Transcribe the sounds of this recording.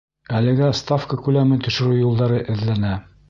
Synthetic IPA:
ælɘ̆ɡæst̪afkəkʉlæmɘnt̪ɵ̆ʃɘ̆ɾʉjulˠd̪ɑɾɤʔɘ̆ðlænæ

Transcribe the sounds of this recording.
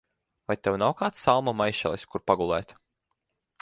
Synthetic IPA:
vajt̪ɛwnawkaːt̪salˠmamajʃɛ̰lˠiskuɾpaɡulˠɛ̰ːt̪

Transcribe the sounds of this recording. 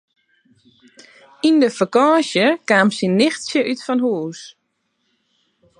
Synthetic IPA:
indəfəkɔːsjəkaːmsinːɪxtsjəʔytfɔnɦuːs

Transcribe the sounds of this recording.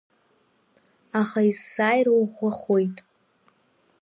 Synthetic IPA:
aχaizsaːjrwuʁʷʊχojtʼ

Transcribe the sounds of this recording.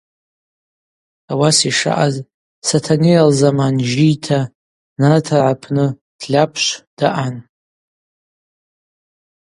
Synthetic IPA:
awasiʂa̰ʔaz | satʰanejalzamanʒijtʰa | natʰaʕapʰnɨ | d̥lʲapʰʃʷd̥aʔan

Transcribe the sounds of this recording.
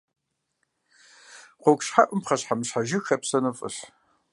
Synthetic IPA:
qʷokʷɕħa̰ʔʷʊmpχɐɕħamɕħaʒɪxɐpsɐnɨfʼɨ̰ɕ

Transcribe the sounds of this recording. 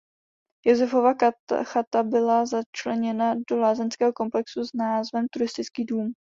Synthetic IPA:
jozɛfo̞vaxat̪abɪlazat͡ʃlɛɲɛnado̞laːzɛnskɛːɦoko̞mplɛksuznaːzvɛmt̪uɾɪst̪ɪt͡skiːduːm

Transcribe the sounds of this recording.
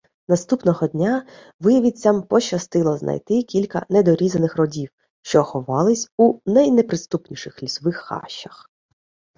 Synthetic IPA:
nɐst̪upnɔɦɔdʲnʲa | ʋɪjɐʋʲit͡sʲːɐmpɔt͡ʃɐst̪ɪlˠɔznʔɐ̰jt̪ɪkʲilʲkɐ̰nɛd̪ɔɾʲizɐnɪxrɔdʲiw | ʃt͡ʃɔxɔʋɑlˠɪsʲunɐjnɛpɾɪst̪upnʲiʃɪxlʲisɔʋɪxːɑ̰ʃːɐx

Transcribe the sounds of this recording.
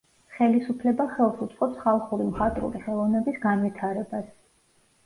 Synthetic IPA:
χɛlisupʰlɛbaχɛlˠsut̪sʼqʼɔpsχalˠχuɾimχat̪ʼɾṵɾiχɛlˠɔvnɛbisɡanvit̪ʰaɾɛbas

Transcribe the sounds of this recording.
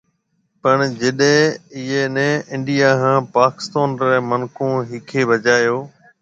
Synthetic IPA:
pəɳd͡ʒɪɗẽɪɦenɛ̃ːɪ̃ɳɖijaːɦãːpaːkɪ̥st̪aːnɾɛːmənkʰõːɦɪkʰeːbʱɐt͡ʃaːjoː

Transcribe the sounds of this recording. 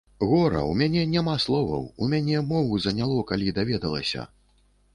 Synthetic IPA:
ɣɔɾɐ̰umʲanʲɛnʲamaslˠɔvɐ̰wumʲanʲɛmɔvuzɐnʲalˠɔkalʲid̪avʲɛd̪ɐlˠɐ̰sʲɐ̰

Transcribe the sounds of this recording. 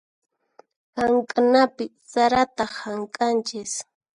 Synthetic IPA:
haŋkʼanapɪ | saɾat̪ahaŋkʼant͡ʃɪs

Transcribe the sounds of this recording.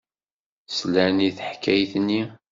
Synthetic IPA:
slæniθəħkːæjθnːi

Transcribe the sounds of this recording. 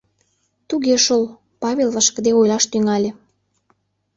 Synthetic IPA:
t̪uɣeʃol | pɑβʲelβɑʃkə̆d̪eojlɑʃt̪yŋɑlʲe

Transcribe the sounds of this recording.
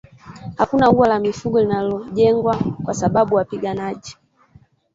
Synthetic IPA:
hakunauwalamifuɡɔlinalɔʄɛŋɡwakwasaɓaɓuwapiɡanaʄi

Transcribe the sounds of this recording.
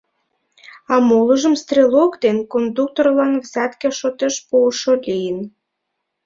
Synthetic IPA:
ɑmoləʒə̆mst̪rʲelokd̪enkond̪uk̚t̪orlɑnvzæt̪keʃot̪eʃpuːʃolʲijən

